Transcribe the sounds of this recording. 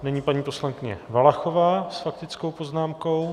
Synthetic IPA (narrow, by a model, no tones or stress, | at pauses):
nɛɲiːpaɲiːpo̞slaŋkɪɲɛ̰valaxo̞vaːsfak̚t̪ɪt͡sko̞wpo̞znaːmko̞w